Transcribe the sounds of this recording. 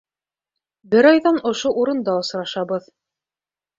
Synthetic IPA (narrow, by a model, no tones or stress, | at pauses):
bɘɾɑjðɑnŏʃoʔuɾɤ̆nd̪ɑŏsɾɑʃɑβɤð